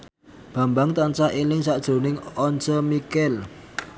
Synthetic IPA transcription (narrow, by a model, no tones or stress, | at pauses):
b̥ä̤mbaŋt̪ant͡ʃahelɪŋsaʔd̥ʒ̥o̤nɪŋɔnt͡ʃəmikɛl